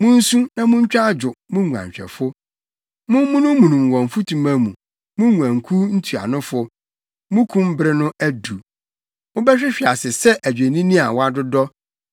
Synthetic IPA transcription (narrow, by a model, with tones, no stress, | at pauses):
mʊ̃˦n̩˦sũ˦nã˨mʊ̃˦ɲ̩˦t͡ɕᶣa˦d͡ʑʊ˨mʊ̃˦ŋu˨ã̰˨ɲ˨ɕᶣɛ̰˨fʊ˦ | mʊ̃˦mː˦ʊ̃˦nʊ̃˦mũ˨nũ˨m˨wɔ̃˨ɱ˨fʊ˦tʰũ˨mã˦mṵ̃˨ | mʊ̃˦ŋu˨ã˨ŋ̩˨kʰu˦n̩˦tʰu˨a̰˨nʊ̃˦fʊ˦ | mʊ̃˦kʰũ˦m˦bɾɪ˦nʊ̃˦æ˦du˨ | mʊ̃˦bɛ˦ɕᶣɪ˦ɕᶣi˨a˨sɪ˨sɛ˦ʔæ˨d͡ʑᶣe˨nĩ˦nĩ˦a˨wɔ˦a˦dʊ˦dɔ˦